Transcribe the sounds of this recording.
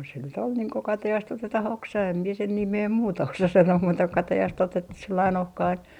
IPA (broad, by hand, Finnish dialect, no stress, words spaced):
se nyt ol niːŋ ko kɑtɑjɑst otetɑh oksɑ em mie sen nimeː muːtɑ osɑ sɑnoː muːtɑ ko kɑtɑjɑst otetːus selːɑin ohkɑin